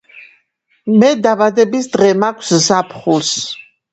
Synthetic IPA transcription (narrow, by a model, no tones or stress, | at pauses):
mɛd̪abad̪ɛbisd̪ʁɛmakʷʰszapʰχuls